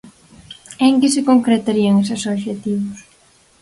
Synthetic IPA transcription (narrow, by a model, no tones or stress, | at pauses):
eŋkɪsɪkoŋkɾet̪aɾiɐŋes̬esoβʃet̪iβʊs